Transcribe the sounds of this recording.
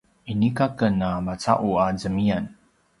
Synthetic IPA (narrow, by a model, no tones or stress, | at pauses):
inikakənamat͡sa̰ʔuazəmian